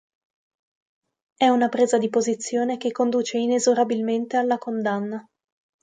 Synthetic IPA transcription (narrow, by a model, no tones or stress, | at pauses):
ɛunapɾeːzad̪ipozit̪sːjoːnek̟ekːond̪uːt͡ʃeinezoɾabilment̪ealːakond̪anːa